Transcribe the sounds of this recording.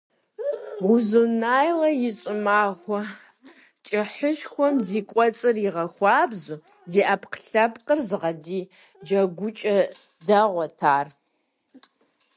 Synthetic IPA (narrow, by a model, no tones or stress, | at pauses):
ʊzunaːjlɐjɪɕʼɪmaːʁʷɔ | t͡ʃʼɪħəʃxʷɔmziːkʷʼɔt͡sʼɨriʁɐxʷɑːbzu | ziːʔapqɬɐpʼqʼərzɨʁɐdiː | d͡ʒɐɡʷʊt͡ʃʼɐ | dɐʁʷɔtʰaːr